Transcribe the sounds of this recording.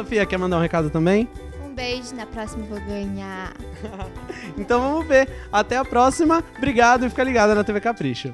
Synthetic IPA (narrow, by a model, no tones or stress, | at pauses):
ɐ̃fiɐkɛɾmɐ̃nd̪aũhekad̪ʊt̪ɐ̃mbẽj̃ | ũbeʒʊnɐpɾɔsimɐvoɡɐ̃ɲa | ẽnt̪ɐ̃w̃vɐ̃mʊve | at̪ɛapɾɔsimɐbɾiɡad̪ʊɪfikɐliɡad̪ɐnɐt̪evekapɾiʃʊ